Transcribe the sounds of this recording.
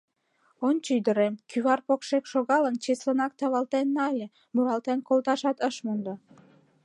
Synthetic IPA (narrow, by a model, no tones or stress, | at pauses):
ont͡ɕəyd̪əɾemkyβɑrpokʃekʃoɣɑlənt͡ɕeslənɑk̚t̪ɑβɑlt̪enːɑlʲe | mulɑlt̪enkolt̪ɑʃɑt̪əʃmund̪o